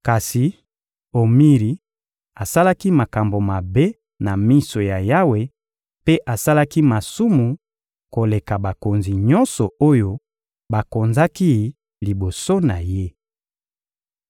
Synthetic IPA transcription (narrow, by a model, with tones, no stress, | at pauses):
ka˨si˨ | o˨mi˦ʁi˨ | a˨sa˦la˦ki˦ma˨ka˨mbo˨ma˨be˦ | na˨mi˦so˨ja˨ja˦we˨ | pe˦ʔa˨sa˦la˦ki˦ma˨su˦mu˨ | ko˨le˨ka˨ba˨ko˨nzi˨ɲɔ̃˦nsɔ˨o˦jo˦ | ba˨ko˨nza˦ki˦ | li˨bo˨so˦na˨je˦